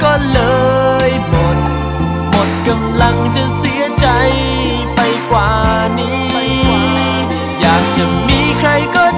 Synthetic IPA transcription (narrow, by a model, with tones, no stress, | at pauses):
kɔː˧˩nlɤː˧jmo˨˩t̪̚ | mo˨˩t̪̚ka˧mla˧˥ŋt͡ɕa˧˩si˨˦ət͡ɕa˧j | pa˧jkwaː˨˩ | niː˧˥ | jaː˨˩k̚t͡ɕa˧˩miː˧˥kʰɾa˧jkɔː˧˩